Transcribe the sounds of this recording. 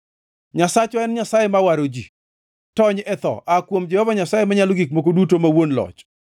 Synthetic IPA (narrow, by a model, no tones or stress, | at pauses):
ɲasat͡ʃɔɛnɲasajemawaɾod͡ʒḭ | tɔɲɛt̪ɔ̰ʔakwomd͡ʒɛhɔvaɲasajemaɲaloɡik̚mok̬odutomawonlɔ̰t͡ʃ